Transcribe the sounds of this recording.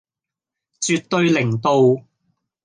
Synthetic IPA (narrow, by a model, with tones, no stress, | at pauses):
t͡syː˨t̚t̪ːɵ˧ɥlɪ˨˩ŋt̪o˨˧w